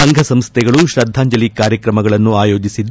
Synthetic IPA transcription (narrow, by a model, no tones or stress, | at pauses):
ɐŋɡʱɐsɐmst̪ʰɛɡɐɭuʃɾɐd̪ʱːaːɲd͡ʒɐlikaːɾjɐkɾɐmɐɡɐɭɐnːuaːjo̞ːd͡ʒisid̪